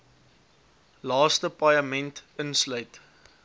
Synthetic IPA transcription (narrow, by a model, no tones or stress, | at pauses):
lɑːstəpɐjɐmɛntənslœɥt